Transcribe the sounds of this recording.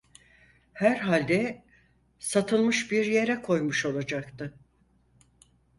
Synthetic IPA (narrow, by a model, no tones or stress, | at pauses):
hæɾɦalʲd̪ɛ | sat̪ʰɯlˠmɯʃbiɾje̞ɾɛkʰo̞jmuʃo̞lˠad͡ʒakt̪ɯ